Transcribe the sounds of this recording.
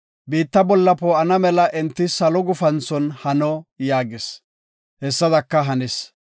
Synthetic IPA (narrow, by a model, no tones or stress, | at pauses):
biːt̪ːɐbɔlːɐpɔɐnɐmɛlɐʔɛnt̪ːɪsɐlɔɡʊfɐnt͡sːɔnhɐnɔjaːɡɪs | hɛsːɐd̪ɐkːɐɦɐnɛs